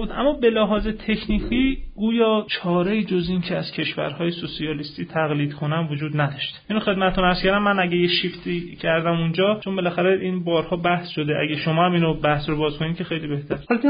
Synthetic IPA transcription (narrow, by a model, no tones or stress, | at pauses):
bud̪ʔæmːɒːbe̞læɦɒːzet̪ʰe̞cʰniːkʰiːɡ̥uːjɒːt͡ʃʰɒːɾeiːd͡ʒo̞zincʰeæz̥cʲʰe̞ʃvæ̰ɾhɒːjesosiɒːlist̪iːt̪ʰæɣliːd̪kʰo̞nænvod͡ʒuːd̪næd̪ɒʃt̪e̥ʔinoxe̞d̪mæt̪et̪ʰonæɾz̥kʰʲæɾd̪æmːænæɟæjeʃift̪iːcʰæɾd̪æmund͡ʒɒːt͡ʃʰonbe̞læxæɾeʔiːnbɒːɾhɒːbæhsʃod̪eʔæ̰ɟeʃomɒːæmiːnobæhsrobɒːzkʰo̞niːd̪̚cʰe̞xe̞jliːbe̞ht̪ʰæɾɒlke